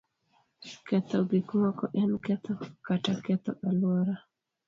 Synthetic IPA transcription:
kɛt̪ɔbikmɔkɔʔɛnkɛt̪ɔkatakɛt̪ɔ̰ʔalwɔɾa

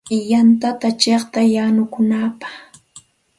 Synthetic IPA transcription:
jant̪at̪at͡ʃeχt̪ajanʊkʊnapɑ̥χ

